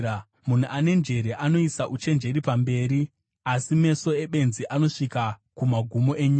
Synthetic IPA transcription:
mun̤uʔane̞nd͡ʒe̞ɾe̞ʔano̞isaʔut͡ʃe̞nd͡ʒe̞ɾipambe̞ːɾi | asime̞so̞e̞ɓe̞nziʔano̞ʂikakumaɡʱumo̞ʔe̞ɲiːa

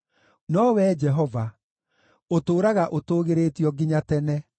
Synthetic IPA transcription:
nɔwɛːd͡ʒɛɦɔva | otoːɾaɣaʔotoːɣeɾetiɔɡiɲatɛnɛ

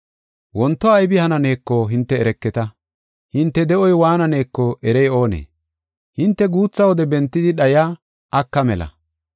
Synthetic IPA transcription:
wɔnt̪ːɔɐjbɪhɐnɐne̞ːkːɔɦɪnt̪ːɛːɾɛkːɛt̪ɐ | hɪnt̪ːɛd̪ɛʔɔjwaːnɐne̞ːkːɔɛɾɛjo̞ːnḛː | hɪnt̪ːɛɡuːt͡sːɐwɔd̪ɛbɛnt̪ːɪd̪ɪɗɐjaː | ʔːkːɐmɛlɐ̰

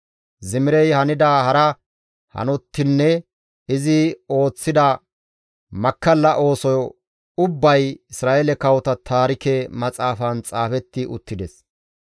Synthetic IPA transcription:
zɪmɪɾɛjhɐnɪd̪aːhɐɾɐ | hɐ̰nɔt̪ːɪnːɛ | ɪzɪo̞ːt͡sːɪd̪ɐ | mɐkːɐlːɐʔo̞ːsɔjɔ | ʊbːɐjɪsɾaːʔelɛkɐwɔt̪ɐt̪ʰaːɾɪkɛmɐt͡sʼaːfɐnt͡sʼaːfɛt̪ːɪʔʊt̪ːɪd̪ɛs

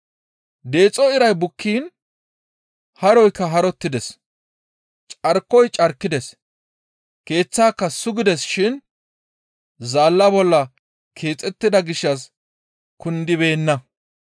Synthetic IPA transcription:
d̪e̞ːt͡sʼːɔɪɾɐjbʊkʰːiːn | hɐɾɔjkːɐɦɐɾɔt̪ːɪd̪ɛs | t͡ʃʼɐɾkːɔjt͡ʃʼɐɾkːɪd̪ɛs | ke̞ːt͡sːaːkːɐsʊɡɪd̪ɛsʃɪn | zaːlːɐbɔlːɐ | kʰe̞ːt͡sʼɛt̪ːɪd̪ɐɡɪʃːɐs | kʊnd̪ɪβe̞ːnːɐ

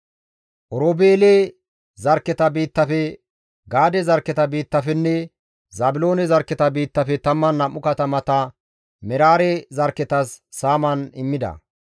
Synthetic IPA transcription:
ʔɔɾobeːle | zɐɾkːɛt̪ɐbiːt̪ːɐfɛ | ɡaːd̪ɛzɐɾkːɛt̪ɐbiːt̪ːɐfɛnːɛ | zaːbɪlo̞ːnɛzɐɾkːɛt̪ɐbiːt̪ːɐfɛt̪ɐmːɐnːɐmːʊkɐt̪ɐmɐt̪ɐ | mɛɾaːɾɛzɐɾkːɛt̪ɐsːaːmɐnɪmːɪd̪ɐ̰

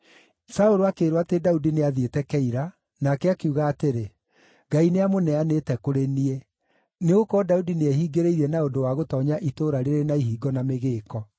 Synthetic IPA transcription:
saoɾoakeːɾowatedaudineaðetɛkɛiɾa | nakɛakeuːɣaːteɾe | ɡaineamonɛanetɛkoɾeniɛ | neɣokɔdaudineɛhiːɡeɾeiɾɛnaondowaɣotɔɲaʔitoːɾaɾeɾenaiɦiːɡɔnameɣeːkɔ

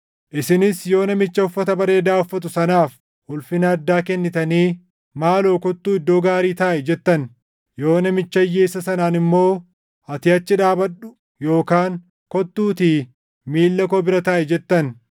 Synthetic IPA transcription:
ʔɪsɪnɪsjo̞ːnɐmɪt͡ʃːɐʊfːɐt̪ɐbɐɾe̞ːd̪aːʊfːɐt̪ʊsɐnaːf | hʊlfɪnɐɐd̪ːaːkɛnːɪt̪ɐniː | maːlo̞ːkɔt̪ːuːɪd̪ːo̞ːɡaːɾiːt̪aːʔɛd͡ʒɛt̪ːɐn | jo̞ːnɐmɪt͡ʃːɐjːeːsɐsɐnaːnɪmːo̞ː | ɐt̪ɪɐt͡ʃːɪᶑaːbɐᶑʊ̥ | jo̞ːkaːŋ | kɔt̪ːuːt̪iː | miːlːɐkɔbɪɾɐt̪aːʔɛd͡ʒɛt̪ːɐn

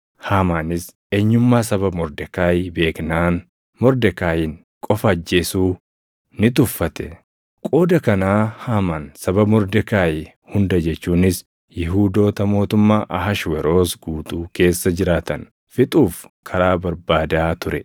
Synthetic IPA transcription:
haːmaːnɪs | e̞ːɲːʊmːaːsɐbɐbmɔɾd̪ɛkaːjbe̞ːknaːn | mɔɾd̪ɛkaːjɪn | kʼɔfɐːd͡ʒːe̞ːsuː | nɪt̪̬ʊfːɐt̪ɛ | kʼo̞ːd̪ɐkɐnaːhaːmaːnsɐbɐbmɔɾd̪ɛkaːjɪ | hʊnd̪ɐd͡ʒɛt͡ʃːuːnɪs | jɪɦuːd̪o̞ːt̪ɐmo̞ːt̪ʊmːaːʔɐɦɐʃwɛɾo̞ːsɡuːt̪ʼuːke̞ːsːɐd͡ʒɪɾaːt̪ɐn | fɪt̪ʼuːfkʰɐɾaːbɐɾbaːd̪aːt̪ʊɾɛ

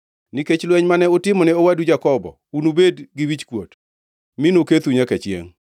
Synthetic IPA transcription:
niket͡ʃlwɛɲmanɛʊtɪmɔnɛowadud͡ʒakɔbɔ̰unubedɡɪwit͡ʃkwot | mɪnoket̪uɲakɛt͡ʃɪḛŋ

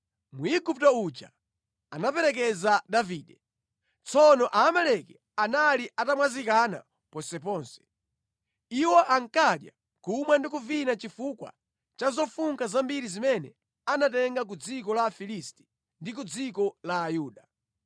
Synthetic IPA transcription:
muiɡup̚taut͡ʃa̰ | anapɛɾɛk̬ɛzadaviːɗɛ | t͡sɔnɔʔaːmɛlɛkɛ | analiʔatamwazikana̰ | pɔnsɛp̬ɔːnsɛ̥ | iwɔʔaŋ̩kaɗja̰ | kumwandik̬uvinat͡ʃifukwa̰ | t͡ʃazɔfuŋkazambiɾizimɛnɛ | anatɛŋɡak̬ud͡zikɔlafilisti̥ | ndik̬ud͡zikɔlaːjuːɗa

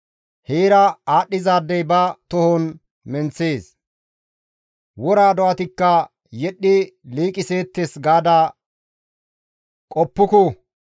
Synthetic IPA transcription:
heːɾɐaːɗːɪzaːd̪ːɛjbɐt̪ɔhɔn | mɛnt͡sːeːs | wɔɾaːd̪ɔɐt̪ɪkːɐ | jɛɗːɪliːkʼɪse̞ːt̪ːesɡaːd̪a | kʼɔpːʊkʊ

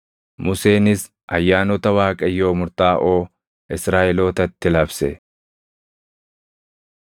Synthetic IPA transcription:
mʊseːnɪs | ʔɐjːaːnɔt̪ɐwaːkʼɐjːo̞ːmʊɾt̪aːʔo̞ː | ʔɪsɾaːʔɛlo̞ːt̪ɐt̪ːɪlɐbsɛ

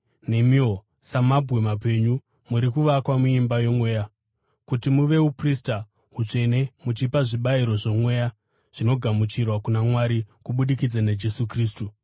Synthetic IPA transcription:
ne̞mio | samabʱwe̞mape̞ɲu | muɾikuʋakwamuimbajo̞mwe̞ːja | kutimuʋe̞uprista | ɦut͡ʂe̞ne̞mut͡ʃipaʐiɓaiɾo̞ʐo̞mwe̞ːja | ʐ̥ino̞ɡʱamut͡ʃirwakunamwaɾikuɓuɗikid͡zanad͡ʒe̞sukriːstu

